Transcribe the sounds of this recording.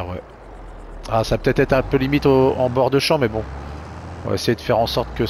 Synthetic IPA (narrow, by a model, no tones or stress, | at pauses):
wɛ̰ | asaːpø̥t̪ɛt̪ɛt̪χɛ̃pølimit̪oɑ̃bɔʁd̪əʃɑ̃mɛbɔ̃ | ɔ̰̃va̰ḛsɛjed̪əfɛʁɑ̃sɔʁt̪kə